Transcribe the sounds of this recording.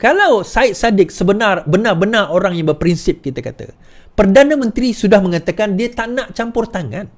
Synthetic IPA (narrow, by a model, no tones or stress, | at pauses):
kalawsaɪt̪̚sadɪk̚səbənarbənarbənarʔoɾaŋjaŋbərpɾinsɪp̚kit̪akat̪a̰ | pərdanãmə̃nt̪ɾisudahmə̃ŋat̪akandiət̪aʔnaʔt͡ʃampʊrt̪aŋã̰n